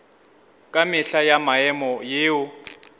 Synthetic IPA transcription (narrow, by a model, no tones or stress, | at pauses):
kʼamɪɬajamaɛmɔjeːʊ